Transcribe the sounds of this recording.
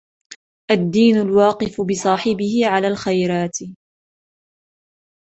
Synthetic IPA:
ʔad̪ːiːnʊlwɑːqɨfbɪsˤɑːħɪbɪhɪʕalaːlxajɾɑːt̪

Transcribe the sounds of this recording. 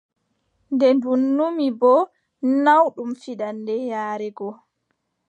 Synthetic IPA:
ndɛndunːumibɔ | nawɗumfiɗandɛjaːɾɛɡɔ

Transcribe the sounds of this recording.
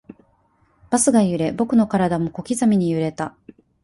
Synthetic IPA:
b̥asɨɡajɯ̟ɾe̞bo̞kɯ̟no̞kaɾad̪amo̞ko̞kʲizamʲiɲ̟ijɯ̟ɾe̞t̪a

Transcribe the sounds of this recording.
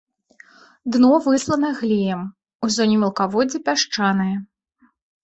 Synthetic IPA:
d̪nɔvɨslˠɐnɐɣlʲijɛm | uzɔnʲimʲɛlˠkavɔd͡zʲɛpʲaʂt͡ʂanɨjɐ

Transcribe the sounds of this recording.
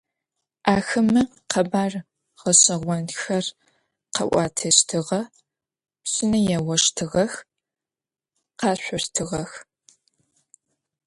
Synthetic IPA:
ʔaːxɨmɨ | qʰɐbaːr | ʁɐɕʼɐʁʷɔnxɐr | qɐ̰ʔʷɑ̰ːtʰɐɕtʰɨʁɐ | psʼɪnɐjɛwɔʂtʰɨʁɐx | qɑːɕʷʊrtʰɨʁɐx

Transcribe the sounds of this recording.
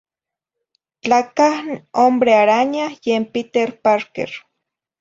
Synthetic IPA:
t͡ɬakahombɾeaɾaɲahjempit̪eɾpaɾkḛɾ

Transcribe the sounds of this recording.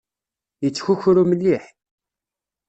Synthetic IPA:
jət͡sːçuçɾuməlːiħ

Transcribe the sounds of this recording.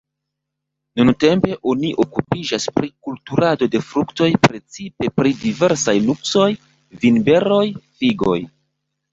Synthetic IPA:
nunte̞mpe̞ʔo̞niʔo̞kupid͡ʒaspɾikultuɾado̞de̞fɾukto̞jpɾe̞t͡sipe̞pɾidive̞ɾsajnukso̞j | vinbe̞ɾo̞jfiɡo̞̰j

